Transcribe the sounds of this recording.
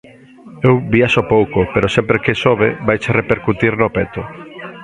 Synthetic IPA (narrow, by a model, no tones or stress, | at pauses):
ewbiaʃopowkopeɾosɛmpɾekesoβḛbajt͡ʃerepeɾkut̪iɾnopet̪o